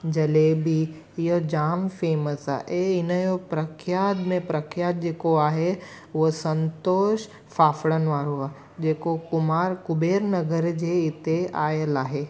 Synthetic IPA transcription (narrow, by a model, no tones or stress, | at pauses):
d͡ʑɐleːbi | ɪjod͡ʑaːmfeːməsa̰ːʔeɪnəjopɾɐkʰjaːd̪mẽpɾɐkʰjaːt̪̚d͡ʑeːkoaːɦe | ʊɦosə̃nt̪oːʃ | faːfɽənʋaːɾoaː | d͡ʑeːkokʊmaːɾkʊbeːɾnɐɡəɾd͡ʑeɪt̪eaːjəlaːɦeː